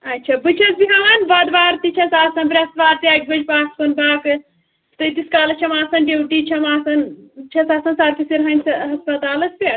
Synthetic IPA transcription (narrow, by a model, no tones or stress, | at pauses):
ɐtːt͡ʃʰɐbɨt͡ʃʰɐsbiɦanbad̪ʋaːɾt̪it͡ʃʰɐsaːsɐnpɾʲɐsʋaːɾt̪iak̚bɐd͡ʒpaːskɐnbaːk | t̪ɐt̪iskaːlɐt͡ʃʰɐmaːsɐnɖewʈit͡ʃʰɐmaːsɐnt͡ʃʰɐsaːsɐnsaːɾpisiɾɦɐnʲsɐɦɐspɐt̪aːlɐspiɐ